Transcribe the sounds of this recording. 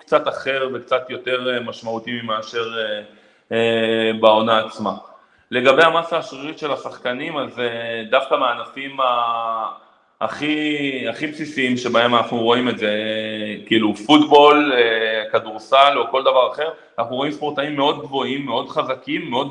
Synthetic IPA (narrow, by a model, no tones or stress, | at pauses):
kt͡sat̪aχe̞ʁve̞kt͡sat̪jo̞te̞ʁemaʃmaut̪imimaːʃe̞ʁe | ebao̞naːt͡sma | le̞ɡabejamasaːʃʁiʁitʃe̞lasaχkanimazd̪afkameanafima | χiaχipsisiimʃe̞bae̞manaχnuʁo̞imeze̞kiiːlufut̪bo̞lekaduʁsaloko̞ld̪avaʁaχe̞ʁanaχnuʁo̞imspo̞ʁtaimːe̞o̞d̪̚ɡvo̞imːeo̞d̪χazakimːeo̞d